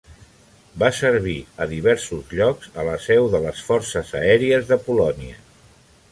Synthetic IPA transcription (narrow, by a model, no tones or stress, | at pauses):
basəɾβ̞iəðiβ̞ɛɾsuzʎɔkzələsɛwðələsfɔɾsəzə̰ɛɾiəzðəpulɔniə